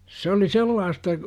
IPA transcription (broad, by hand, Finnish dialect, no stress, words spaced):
s oli selːɑːstɑ